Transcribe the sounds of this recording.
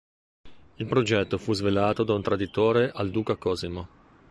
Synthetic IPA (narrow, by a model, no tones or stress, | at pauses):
ilpɾod͡ʒɛt̪ːofuzvelaːt̪od̪aunt̪ɾad̪it̪oːɾeʔald̪uːkakɔːzimo